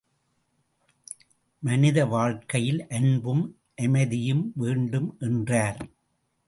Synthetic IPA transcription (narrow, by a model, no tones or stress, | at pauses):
mɐnɪðɐʋaːɻkɐjɪlʔɐnbɯm | ʔɛmɐðɪjɯmʋeːɳɖɯmʔɛndraːɾ